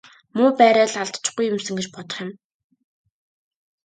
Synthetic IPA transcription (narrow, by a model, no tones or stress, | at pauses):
mʊːpæːɾæːɮaɮt̪t͡ɕ̆χɡujːɵ̆msɵ̆ŋɡet͡ɕpɔt̪ɞ̥̆χjɪ̆m